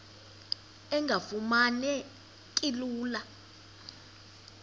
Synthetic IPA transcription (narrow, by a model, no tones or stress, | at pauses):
ɛŋɡʱafumanɛ | kʼiluːla